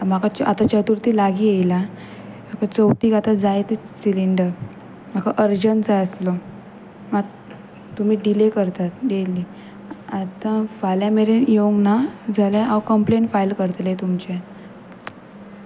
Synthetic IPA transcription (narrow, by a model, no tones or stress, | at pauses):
m̤akʰaat̪at͡ɕət̪uɾt̪iːlaɡiːjejla | makat͡səwt̪iːkat̪ad͡zajt̪i | siliɳɖəɾ | m̤akʰaʔəɾd͡ʑənd͡zaəslɔ | maɡ | t̪um̤iːɖilekəɾt̪at̪deli | at̪ãfaljãmeɾenjoɡnad͡zʱaljaawkəmpleɳʈfajlkəɾt̪let̪umt͡ɕe